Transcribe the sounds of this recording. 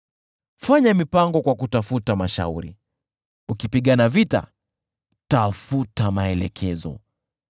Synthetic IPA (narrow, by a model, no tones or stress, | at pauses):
faɲamipaŋɡɔkwakutafutamaʃa̰uɾḭ | ukipiɠanavita̰ | tafutamaɛlɛkʰɛzɔ̰